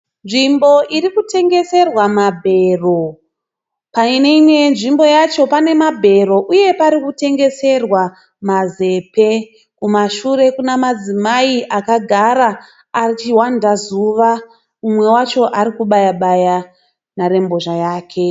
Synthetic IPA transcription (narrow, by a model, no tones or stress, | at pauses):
nʐimbo̞ʔiɾikute̞ŋɡe̞se̞rwamabʱe̞ro̞ | paine̞imwe̞nʐimbo̞jat͡ʃo̞pane̞mabʱe̞ɾo̞ʔuje̞paɾikute̞ŋɡe̞se̞rwa | maze̞pe̞ | kumaʃuɾe̞kunamad͡zimaiʔakaɡʱaɾaː | rit͡ʃiwandazuʋa | umwe̞wat͡ʃo̞ʔaɾikuɓajaɓaja | naɾe̞mbo̞ʐajaːkʰe̞